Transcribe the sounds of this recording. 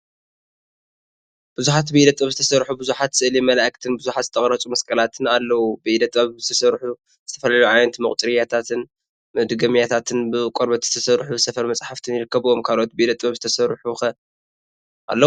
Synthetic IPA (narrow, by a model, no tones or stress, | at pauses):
b̥ɨzuħat̪bɨid̪ɐt̪ʼɐβzɨt̪ʰɐsɐɾħubɨzuħat̪sɨʔlimɐlaʔkt̪ʰɨnbɨzuħat̪zɨt̪ʰːɐχʼɾɐt͡sʼumɐskʼɐlat̪ʰɨnalːɐwubɨʔid̪ɐt̪ʼɐβzɨt̪ʰɐsɐɾħu | z̥ɨt̪ʰɐfɐlaluʕajnɐt̪mɐkʼt̪ʼɨɾijat̪ʰat̪ʰɨn | mɨd̪ɨɡɐmjat̪ʰat̪ʰɨnbɨkʷʼoɾbɐt̪z̥ɨt̪ʰɐsɐɾħuzɨsɐfɐɾmɐt͡sʼħaft̪ʰɨnjɪɾɨkːɐβo̞mkʰalʔot̪̚bɨʔid̪ɐt̪ʼβɐβzɨt̪ʰɐsɐɾħuxɐ | ʔa̰lːɐ